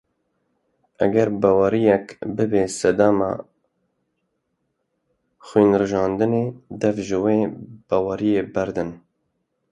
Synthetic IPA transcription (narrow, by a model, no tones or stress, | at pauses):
ʔæɡɛɾbɑːwɑɾijɛkbɨbeːsɛd̪ɑːmɑ̰ː | xwiːnrɨʒɑːnd̪ɨneːd̪ɛvʒɨweːb̥ɑːwɑɾijeːbæɾd̪ɨn